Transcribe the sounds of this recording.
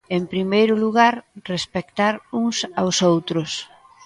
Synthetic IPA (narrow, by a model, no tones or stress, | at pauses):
empɾimejɾʊluɣaɾrespek̚t̪aɾuŋsawsowt̪ɾʊs